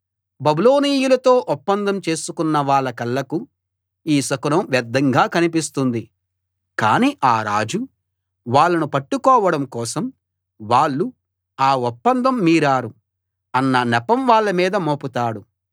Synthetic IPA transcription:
bɐbulo̞ːniːjulɐt̪o̞ːʔɔpːɐnd̪ʱɐmt͡ʃe̞ːsukunːɐʋaːɭːɐkɐlːɐku | iːsɐkunɐmʋjɛd̪ːɐŋɡaːkɐnip̬ist̪und̪i | ka̰ːniːʔaːɾa̰ːd͡ʒu | ʋaːɭːɐnupɐʈːukɔːʋɐɽɐmkɔːsɐm | ʋaːɭːu | aːɔpːɐnd̪ɐmːiːɾaːɾu | ɐnːɐnɛpɐmʋaːɭːɐmiːd̪ɐmoːput̪aːɽu

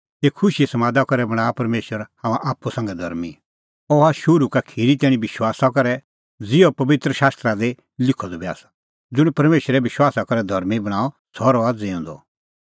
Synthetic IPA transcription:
eːkʰːʊʃisɐmaːd̪akɔɾɛbɐɽ̃aːpɐɾmeːʃwəɾhãmãʔaːpːusãŋɡɛd̪ʱɐɾmi | ɔaʃʊɾukakʰiɾit̪ɛːɽ̃ĩbɪʃwaːsakɐɾɛ | d͡zɪjɔpɐʋɪt̪ɾəʃaːst̪ɾad̪e | lɪkʰːɔd̪ɔbɛa̰sḁ | d͡zʊɽ̃pɐɾmeːʃɾɛbɪʃwaːsakɐɾɛd̪ʱɐɾmibɐɽ̃aːɔ | sʰɔɾɔad͡zeɔ̃ːnd̪ɔ̰

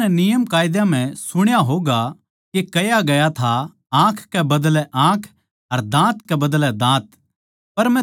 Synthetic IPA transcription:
ɛnɪjəmkaːjɪd̪jam̤ɛ̃sʊɽ̃jaɦoːɡa | kekɐjaɡɐjat̪ʰa | ãːkʰkɛbɐd̪lɛʔãːkʰ | ɐɾd̪ãːt̪kɛbɐd̪lɛd̪ãːt̪ | pɐɾmɛ̃

